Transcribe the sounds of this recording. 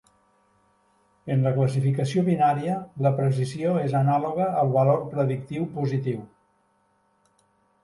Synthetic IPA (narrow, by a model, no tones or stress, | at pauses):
ənləkləs̬ifikəsioβinaɾiələpɾəsizioezənaluɣəːlˠβəlorpɾəðik̚t̪iwpuzit̪iw